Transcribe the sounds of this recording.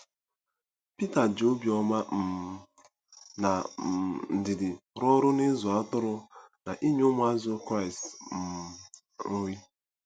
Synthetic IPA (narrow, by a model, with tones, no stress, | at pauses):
pi˦ta˨d͡ʒo˦bjɔ˦ma˦m̩˨ | na˨n̩˨dɪ˨dɪ˨ɾɔ˦ɾʊ˦ne˦zʊ˨a˦tʊ˦ɾʊ˦na˨ʔi˦ɲo˦mʊ˦a˦zʊ˦kɾa˦˨i˨stm̩˨ | o˦wi˦